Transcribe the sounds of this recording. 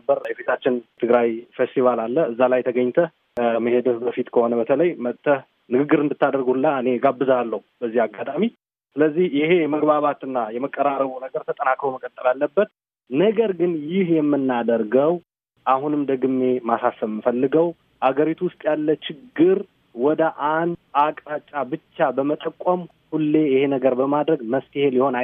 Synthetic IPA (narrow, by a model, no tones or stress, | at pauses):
bːəɾjɛfit̪ʰat͡ʃːɪnt̪ʰɨɡɾajfest̪ʰivalalːəɨzːalajt̪ʰəɡəɲːt̪ʰəh | məhe̞d̪əbəfit̪kʰəho̞nəbət̪ʰələjmət̪ʼːəh | nɨɡɨɡːɨɾɨnd̪ɨt̪ːad̪əɾɡuhɨlːaɨne̞ɡabːɨzalːəhub̥əzːihaɡːat̪ʼami | sɨləzːihjɪhe̞jɛməɡbaβat̪ɨnːajɛməkʼːəɾaɾəβunəɡəɾt̪ʰət̪ʼənakɾəwməkʼət̪ʼːɨlalːəbːət̪ | nəɡəɾɡɨnjɪhjɛmːɨnːad̪əɾɡəw | ʔahunɨmd̪əɡɨmːe̞masasəbmːɨfəlːɨɡəw | ʔaɡəɾit̪ʰuwʊst̪ʼjalːət͡ʃɪɡːɨɾ | wɔd̪əʔand̪akʼat͡ʃʼːabɨt͡ʃːabəmət̪ʼəkʷʼːəm | hulːe̞jɪhe̞nəɡəɾbəmad̪ɾəɡməft̪iheljɪho̞na